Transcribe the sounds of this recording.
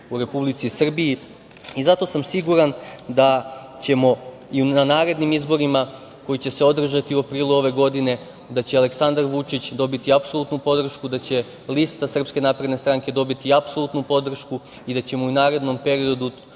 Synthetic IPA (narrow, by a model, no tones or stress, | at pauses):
uɾe̞publit̪sisr̩bii | izat̪o̞samsiɡuɾand̪at͡ɕe̞mo̞ | iuanaːɾe̞d̪nimizbo̞ɾima | ko̞jit͡ɕe̞se̞o̞d̪r̩ʒat̪iuapɾiːluo̞ʋe̞ɡo̞d̪ine̞ | d̪at͡ɕeale̞ksand̪aɾʋut͡ʃit͡ɕd̪o̞bit̪iapso̞lˠut̪nupo̞d̪r̩ʃkud̪at͡ɕe̞ | list̪asr̩pske̞naːpɾe̞d̪ne̞st̪ɾaŋke̞d̪o̞bit̪iapso̞lˠut̪nupo̞d̪r̩ʃku | id̪at͡ɕe̞mounaːɾe̞d̪no̞mpe̞ɾio̞d̪u